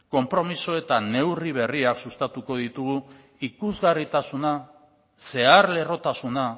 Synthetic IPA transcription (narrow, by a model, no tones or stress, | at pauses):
ko̞mpɾo̞miso̞e̞t̪ane̞wriβ̞e̞riaksust̪at̪uko̞ðit̪uɣu | ikuzɣarit̪asuna | se̞aɾle̞ro̞t̪asuna